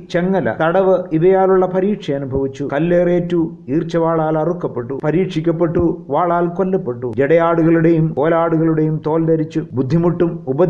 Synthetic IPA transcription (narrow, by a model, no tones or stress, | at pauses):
t͡ɕeŋːɐlɐ̰t̪ɐɽɐʋɨiʋɐjaːluɭːɐpɐɾiːʈʂɐɐnubʱɐʋit͡ɕːukɐlːeːreːtːu | iːrt͡ɕːɐʋaːɭaːlɐrukːɐpːe̞ʈːupɐɾiːʈʂikʲːɐpːe̞ʈːuʋaːɭaːlko̞lːɐpːe̞ʈːud͡ʑeɽɐjaːɽuɣɐɭuɽejumkoːlaːɽuɣɐɭuɽe̞jumt̪o̞ːld̪ɐɾit͡ɕːubud̪ʱːimuʈːumubɐ